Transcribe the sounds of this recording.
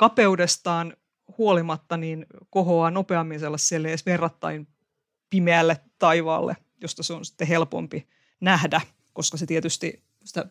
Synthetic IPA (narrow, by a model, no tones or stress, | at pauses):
kɑpeudest̪ɑːn | huolimɑt̪ːɑniːnkohoɑːnopeɑmːinselːɑsseleːsʋerːɑt̪ːɑin | pimeælːet̪ːɑiʋɑ̰ːlːḛ | jost̪ɑseonsi̥t̪ːeɦelpo̰mpi | næhdæ | koskɑset̪iet̪yst̪ḭ | si̥t̪æ